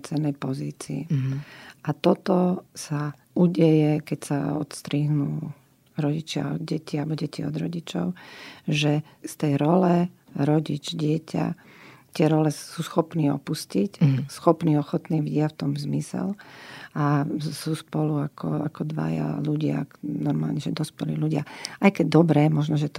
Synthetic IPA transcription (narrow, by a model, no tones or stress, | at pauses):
t͡sɛnːɛjpɔziːt͡siḭ | ʔat̪ɔt̪ɔsa | uɟɛjɛkɛcsaɔ̰t̪st̪ɾiːɦnuː | ɾɔɟit͡ʃɪa̰ɔd̪ɟɛcialbɔɟɛciɔ̰d̪ɾɔɟit͡ʃɔ̰ʊʒɛst̪ɛjɾɔlɛ | ɾɔɟid͡ʒɟɪɛcʰa̰ | t̪ɪɛɾɔlɛsusxɔpniːɔ̰puscicsxɔpniːɔxɔt̪niːvɟɪaft̪ɔmzmisɛ̰lasuːspɔluakʰɔakɔd̪ʋa̰ja̰luɟɪa̰nɔɾmaːlɲɛʒɛd̪ɔspɛlḭːluɟɪa̰ajkɛɟ̚d̪ɔbɾɛːmɔʒnɔʒɛt̪ɔ